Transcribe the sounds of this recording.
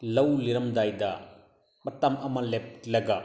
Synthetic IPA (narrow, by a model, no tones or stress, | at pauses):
lɐwliɾɐmdajdɐ | mɐtɐmɐmɐlep̚lɐɡɐ